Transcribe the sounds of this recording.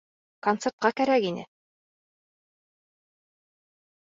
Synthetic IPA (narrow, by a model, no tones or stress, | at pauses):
kont̪sert̪̚qɑkæɾækinɘ̰